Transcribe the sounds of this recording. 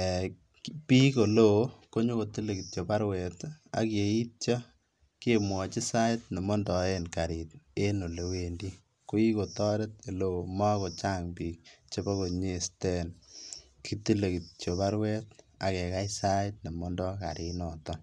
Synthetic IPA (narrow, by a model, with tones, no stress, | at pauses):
piː˦ko˨lo˦ko˦ɲo˦ko˨ti˦le˨ki˨t̚t͡ʃo˨pa˦ɾwɛ˨ta̰˨ke˨i˦t̚t͡ʃɔ˦ | ke˦mwɔ˨t͡ʃi˦sa˦jtne˨mɔ˦ndɔ˨e˦nka˨ɾi˨t̚e˦no˨le˨we˨ndi˦ | ko˦i˦ko˨tɔ˦ɾe˦te˨lo˨ma˦ko˨t͡ʃa˦ŋbiːk̚t͡ʃe˦bɔ˦ko˨ɲe˦stɛ˦n | ki˦ti˦le˨ki˨t̚t͡ʃo˨βa˦ɾwɛ˦ta̰˨kɛ˨ka˦jsa˦t̚ne˨mɔ˦ndɔ˦ka̰˨ɾi˨nɔ˨tɔ